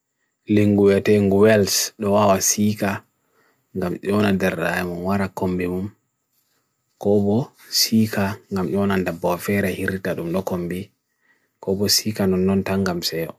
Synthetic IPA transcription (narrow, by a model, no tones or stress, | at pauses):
liŋɡuwɛtɛŋɡuwɛlsɗɔwawasiːka | ŋɡamʔɔnadɛɾdajmunwaɾakombimum | kɔbɔ | siːkʰaŋɡamʔɔnandabːɔfɛɾɛhiɾitaɗumɗɔkombi | kɔbɔsiːkanɔnːɔntaŋɡamsɛɔ